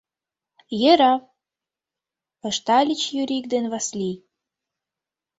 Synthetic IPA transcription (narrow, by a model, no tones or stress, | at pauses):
jeɾɑw | ə̆ʃt̪ɑlʲit͡ɕjyɾʲik̚d̪enβɑslʲi